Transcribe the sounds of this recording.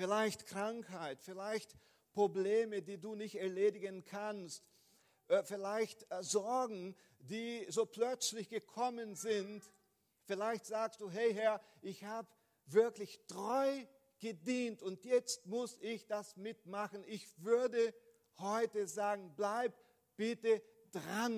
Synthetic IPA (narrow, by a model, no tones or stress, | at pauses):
fɪlaɪçtkʁ̥aŋkhaɪtfɪlaɪçt | pʁ̥obleːmədiːduːnɪçtɛɐleːdɪɡənkʰanstː | fɪlaɪçtzɔɐɡŋ̩ | diːzoːpl̥œt͡slɪçɡ̥əkʰɔmənzɪnt | fɪlaɪçtz̥aːkstd̥uːɦɛɪɦɛɐ | ʔɪçhaːbə | vɪɐklɪçtʁ̥ɔʏ | ɡ̥ədiːntʊntjɛt͡stmʊsɪçd̥asmɪtmaχn̩ʔɪçvʏɐdə | hɔʏtəzaːɡŋ̩blaɪp | b̥ɪtə | d̥ʁan